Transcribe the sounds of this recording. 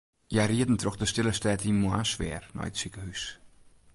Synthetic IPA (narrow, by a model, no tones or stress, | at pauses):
jariədn̩troxdəstɪləstɛːtinmoasʋɪ̰ərnɔ̰jətsikəɦys